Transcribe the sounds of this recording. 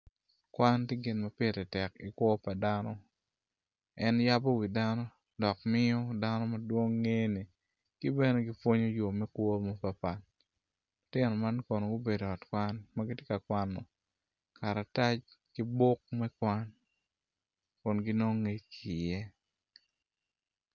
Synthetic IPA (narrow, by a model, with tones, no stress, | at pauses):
kwa˦nti˦ɡɪ˨nma˦pe˦˨ɾɛ˨tɛ˨ki˨kwɔ˦pa˨danɔ˦ | ɛ˦nja˦bɔ˦wi˨da˦nɔ˦ | dɔ˨kmɪ˦ɔ˦da˦nɔ˦ma˨dwo˦ŋːe˦ni˨ | ki˦bɛ˦ne˦ɡi˦fwo˦ɲo˦jo˨mɛ˦kwɔ˦mo˦pa˨pa˨n | lʊ˨tɪ˦nɔ˨ma˦nkɔ˨no˨ɡo˦be˨do˨ɔ˨tkwa˦nma˦ɡi˦tje˦ka˨kwa˦nːɔ˨ | ka˨ɾa˨ta˦t͡ʃki˦bʊ˦k̚mɛ˦kwa˦n | kɔ˨nɡi˦no˦ŋe˦t͡ʃki˨jɛ˦